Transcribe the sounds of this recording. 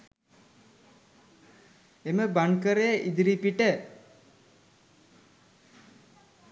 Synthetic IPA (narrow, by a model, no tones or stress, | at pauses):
eməbankəɾejəʔid̪iɾipiʈə